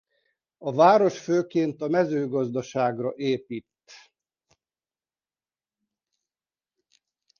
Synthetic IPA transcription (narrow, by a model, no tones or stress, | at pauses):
ɒvaːɾo̞ʃføːkeːnt̪ɒmɛzøːɡɒzd̪ɒʃaːɡrɒʔeːpit̪ː